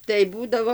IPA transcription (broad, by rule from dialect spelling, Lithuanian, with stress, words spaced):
tɐɪ ˈbuːdɐʋoː